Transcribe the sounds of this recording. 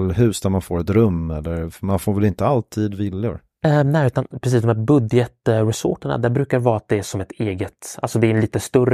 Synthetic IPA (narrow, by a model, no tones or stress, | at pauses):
lɦʉ̟ːsd̪æɾmanfoːɾɛt̪ɾɵmːɛlːəɾmanfoːɾvɛlɪnt̪əalt̪ʰiːd̪vɪlːʊ̰ɾ | ɛnɛːʉ̟ːt̪anpʰɾɛs̬iːs̬d̪ɔmhæɾbɵd̪jət̪ɾɛso̰ːʈəɳa̰d̪æɾbɾʉ̟ːkaɾvɑːat̪̚d̪ɛæʂɔmɛt̪ʰeːɡət̪ʔa̰lsɔd̪ɛːɾɛnliːt̪əst̪ɵɾə